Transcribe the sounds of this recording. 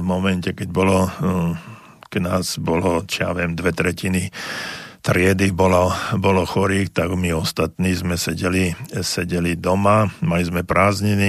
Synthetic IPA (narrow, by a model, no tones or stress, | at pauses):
mɔmɛncɛkɛɟ̚bɔlɔ | ɡ̥naːzbɔlɔt͡ʃija̰ʋɪɛmd̪ʋɛt̪ɾɛcini | t̪ɾɪɛd̪ibɔlɔbɔlɔxɔɾiːxt̪aɡmiɔst̪at̪niːzmɛsɛɟɛlisɛɟɛlid̪ɔmamalizmɛpɾʔaːzɲini